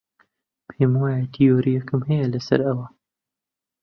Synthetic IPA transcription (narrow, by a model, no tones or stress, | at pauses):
pʰeːmwaːjɛt̪ʰijoːɾijɛkɨmhɛjɛlɐsɐ̰ɾɐwɐ